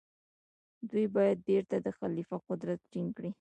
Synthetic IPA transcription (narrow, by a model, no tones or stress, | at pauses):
d̪ujbɑjad̪̚beɾt̪ad̪əxalifaqʊd̪ɾat̪ʈiŋkɽi